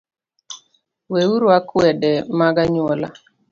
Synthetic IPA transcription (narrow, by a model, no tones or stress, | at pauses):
weuɾwakwɛdɛmaɡaɲwɔla̰